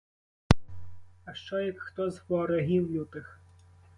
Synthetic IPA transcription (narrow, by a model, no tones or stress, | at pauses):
ɐʃt͡ʃɔjɐkxt̪ɔzʋɔɾɔɦʲiwjʲut̪ɪx